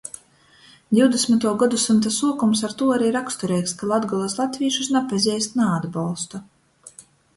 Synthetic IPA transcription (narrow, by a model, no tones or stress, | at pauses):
d̪ʲiwd̪esmʲit̪uɔɡad̪usɨnt̪asuɔkumsaɾt̪uːaɾiːɾakst̪ɔɾɛjkskalˠad̪ɡɔlˠaslˠat̪viːʃusnapazʲɛjst̪naad̪balˠst̪u